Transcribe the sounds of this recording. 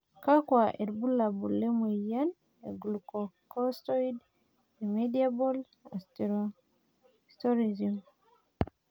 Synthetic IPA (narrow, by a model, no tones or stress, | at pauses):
kakwaʔeɾbulːabulːemujan | eɡulukɔkɔstɔid | emediabol | astɾ | stɔɾizum